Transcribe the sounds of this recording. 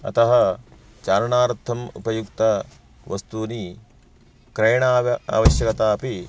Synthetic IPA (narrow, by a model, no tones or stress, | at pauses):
ɐ̰t̪ɐɦɐ | t͡ʃaːɾɐɳaːɾɐt̪ʰːɐmṵpɐjukt̪ɐ | ʋɐst̪uːni | kɾɐjɳaːɐa̰ːʋɐʃjɐkɐt̪aːpi